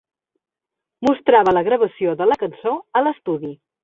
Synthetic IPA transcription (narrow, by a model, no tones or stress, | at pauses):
must̪ɾaβələɣɾəβ̞əsioðələkənsoələst̪uði